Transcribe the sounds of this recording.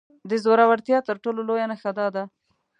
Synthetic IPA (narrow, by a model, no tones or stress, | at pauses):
d̪əzoɾawaɽt̪jɑt̪əɾʈololojanaxad̪ɑd̪a